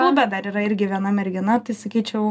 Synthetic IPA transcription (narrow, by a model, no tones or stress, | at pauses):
ʊbʲɛt̪̚d̪ɐɾiːɾɐɪɾʲɡʲɪʋʲiɛnɐmʲɛɾʲɡʲɪnɐt̪ɐɪsɐkʲiːt͡ʃʲɛʊ